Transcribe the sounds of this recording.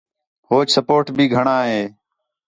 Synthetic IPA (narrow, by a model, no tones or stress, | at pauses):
ɦoːt͡ʃsəpoːɾʈbʱiːɡʱəɳaːɦeː